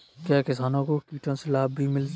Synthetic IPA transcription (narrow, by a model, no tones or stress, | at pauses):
kjaːkɪsaːnõkokiːʈʰõsɪlaːbʱimɪl